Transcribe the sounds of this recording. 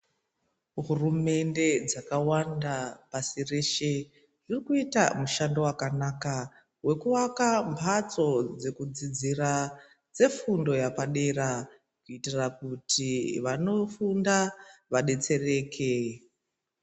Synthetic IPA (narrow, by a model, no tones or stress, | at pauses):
ɦurume̞nde̞d͡zakawandapasire̞ʃe̞ | ʐ̥irikuita̰muʃando̞wakanaka | we̞kuʋakampʰat͡so̞d͡ze̞kud͡zid͡zira | d͡ze̞fundo̞japaɗe̞ra | kuitirakutʰiʋano̞fundaʋaɗe̞t͡se̞re̞ːkʰe̞